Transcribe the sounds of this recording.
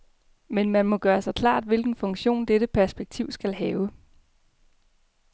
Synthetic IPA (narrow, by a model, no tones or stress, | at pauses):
menmænmɒ̽ɡ̥ɶːɐsɑ̈ɪkʰlɑ̰̈ːd̥ʋe̝lɡ̥n̩fɔ̽ŋɕo̝̰ːnd̥eɾəpʰæɐsb̥eɡ̥̚t͡sʰiʊ̰sɡ̥ælɦɛːʊə